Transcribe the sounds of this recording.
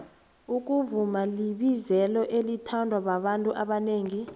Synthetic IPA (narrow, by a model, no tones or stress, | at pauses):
uk̬ʼuvumaliɓizɛlɔʔelitʰandʱwaɓaɓantʼuʔaɓaneːŋi